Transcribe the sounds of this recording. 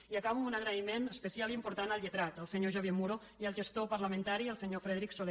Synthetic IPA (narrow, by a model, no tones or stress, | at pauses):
iəkaβumunəɣɾəimenəspəsialimpuɾt̪anəlˠʎət̪ɾat̪əlˠsəɲoʒoβjemuɾo | iəlˠʒəst̪opɐɾləmə̃nt̪aɾiəlˠsəɲofɾeðɾiksole